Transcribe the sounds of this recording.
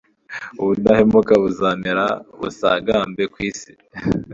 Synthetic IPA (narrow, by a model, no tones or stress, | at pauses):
uβunahemukaβuzaːmeɾa̰βṵsa̰ːɡaːmbekwiːsi̥